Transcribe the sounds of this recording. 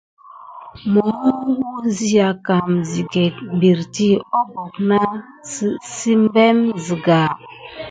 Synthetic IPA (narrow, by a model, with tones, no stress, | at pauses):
mo˨mu˦wu˦zi˦a˨ka˨mzi˨ɡɛ˨tm˨bi˨ɾti˦ɔ˦bɔ˨kna˦ | si˦m˦bɛ˦mzi˨ɡa˨